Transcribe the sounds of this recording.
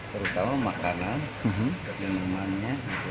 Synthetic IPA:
t̪əɾut̪amamakanan̩ɦ̩nənəmanɲaɡit̪u

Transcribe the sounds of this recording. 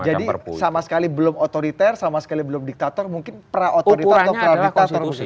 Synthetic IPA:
d͡ʒadiərpsamasə̥kalibəlʊmot̪oɾit̪ɛrsamasə̥kalibəlʊmdik̚t̪at̪ɔrmuŋkɪnpɾaʔot̪oɾit̪aaɲpɾadiatsɔr

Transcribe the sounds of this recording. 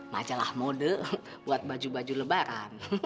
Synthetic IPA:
ma̰d͡ʒalahmodə | buat̪̚bad͡ʒubad͡ʒuləbaɾan

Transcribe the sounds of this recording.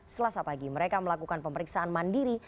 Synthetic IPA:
səlasapaɡiməɾekaməlakukanpəməɾiksaʔanmandiɾi

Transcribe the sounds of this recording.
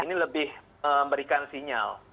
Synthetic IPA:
iniləbɪh | əmbəɾikansiɲa̰l

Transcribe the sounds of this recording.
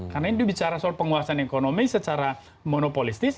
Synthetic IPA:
karnaɪndubit͡ʃaɾasɔl̚pəŋuasanekonomisət͡ʃaɾa | monopolist̪ɪs

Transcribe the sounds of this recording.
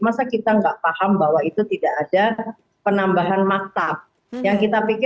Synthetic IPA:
masakit̪aŋɡaʔfahambaɦwait̪ut̪idaʔːda | pənambaɦanmak̚t̪ap̚ | jaŋkit̪apikɪ

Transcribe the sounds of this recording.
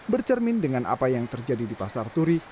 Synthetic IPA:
bərt͡ʃərmɪndəŋanʔa̰pajaŋt̪ərd͡ʒadidipasart̪uɾi

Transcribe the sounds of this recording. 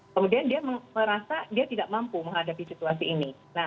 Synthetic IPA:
kəmudiandiaməməɾasadiat̪idaʔmampuməŋɦadapisit̪uasiːni | na

